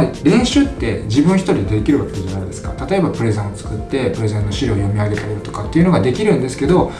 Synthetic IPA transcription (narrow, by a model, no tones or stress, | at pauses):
iɾẽ̞ɰ̃ɕɨːt̪ːe̞d͡ʑibɯ̟̃ɰ̃çʲi̥t̪o̞ɾʲid̪eekʲiɾɯɡaked̪ad͡ʑanaid̪e̞sɨ̥ka̰t̪at̪o̞e̞bapɯ̟ɾe̞zẽɰ̃ot͡sɨ̥kɯt̪ːe̞pɯ̟ɾe̞zẽnːo̞ɕiɾɯojo̞mʲiaɡe̞t̪aeɾɯ̟t̪o̞̥kat̪ːeiɯ̟no̞ɡad̪e̞kʲiɾɯ̟̃nd̪e̞sɨ̥ke̞d̪o̞